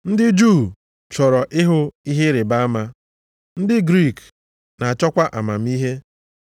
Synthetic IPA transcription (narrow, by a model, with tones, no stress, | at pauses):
n̩˦dɪ˦d͡ʒu˦˨ | t͡ʃɔ˨ɾɔ˨ʔɪ˦ɦʊ˦i˦ɦe˦ɾɪ˨ba˦a˦ma˦ | n̩˦dɪ˦ɡɾi˦˨k | na˨a˨t͡ʃɔ˦kʷa˦ʔa˨ma˨m̩˦i˦ɦe˦